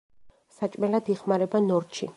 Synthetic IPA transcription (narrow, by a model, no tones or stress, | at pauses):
sat͡ʃʼmɛlad̪iχmaɾɛbanɔɾt̪ʃḭ